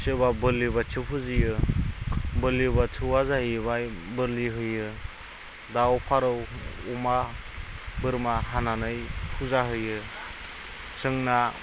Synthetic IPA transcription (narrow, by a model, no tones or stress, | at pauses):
sɯbabɯlibat͡ʃʰɯpʰɯzɯjɯ | bɯlibat͡ʃʰɯwazahjbajbɯɾliɦɯjɯ | dawpʰaɾɯwuma | bɯɾmaɦananɯjpʰuzaɦɯjɯ | sɯŋna